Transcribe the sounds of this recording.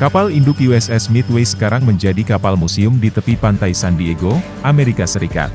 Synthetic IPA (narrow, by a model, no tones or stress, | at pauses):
kapalindʊkjuɛsɛsmɪt̪wejsə̥kaɾaŋməɲd͡ʒadikapalmusiʊmdit̪əpipant̪ajsandieɡo | ʔameɾikasəɾika̰t̪̚